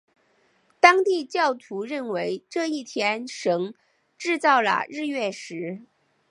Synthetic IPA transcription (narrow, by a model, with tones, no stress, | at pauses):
t̪ɑ˥ŋt̪i˥˧t͡ɕjɑ˥˩ʊt̪ʰu˧˥ɻə˥˩nwe˧˥ɪʈ͡ʂɤ˥˧i˥˩t̪ʰjɛ˥nʂɤ˧˥ŋ | ʈ͡ʂɻ̩˥˧t͡sɑ˥˩ʊlə̰˩ɻɻ̩˥˧ɥɛ˥˩ʂɻ̩˧˥